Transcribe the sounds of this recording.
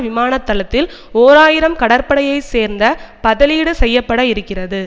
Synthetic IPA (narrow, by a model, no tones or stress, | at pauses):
ʋɪmaːnɐt̪ːɐlɐt̪ːɪl | oːɾaːjɪɾɐmkɐɽɐɾpɐɽɐjɐɪseːɾnd̪ɐpɐðɐliːɽɯsɛjːɐpːɐɽɐɪɾɯkːɪrɐðɯ